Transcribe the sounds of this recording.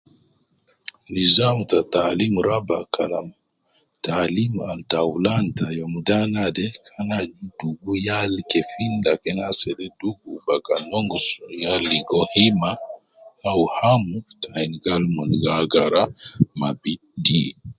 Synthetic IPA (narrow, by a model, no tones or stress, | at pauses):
nizamtatalimɾabakʰa̰la̰m | talimaltawlantajɔmudanadɛkʰanad͡ʒuduɡujalkɛfindakɛnasɛdɛduɡubakanɔŋɡusujaliɡɔhima | awhamutʰajnɡalmɔnɡaɡaɾamabi | di